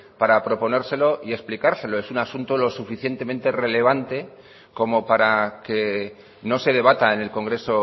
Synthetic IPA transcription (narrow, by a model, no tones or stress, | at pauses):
paɾapɾo̞po̞ne̞ɾse̞lo̞ʔie̞ksplikaɾse̞lo̞e̞sunasunt̪olo̞sufiθje̞nt̪e̞mẽ̞nt̪e̞re̞le̞β̞ant̪e̞ | ko̞mo̞paɾake̞ | no̞se̞ð̞e̞β̞at̪aene̞lko̞ŋɡɾe̞so̞